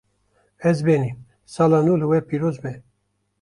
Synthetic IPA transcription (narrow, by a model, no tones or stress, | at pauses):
ɛzbeːniːm | sɑːlaːnulɨwɛpiːɾoːzbɛ